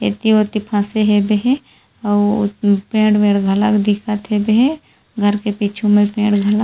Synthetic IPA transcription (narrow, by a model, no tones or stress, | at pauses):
ḛt̪ioːt̪ipʰãːseɦebeɦe | pẽːɽʋeːɾɡʱɐləkd̪ɪkʰat̪ɦebeɦẽ | ɡʱɐɾkepiːt͡ʃʰumẽpẽːɽɡʱɐlə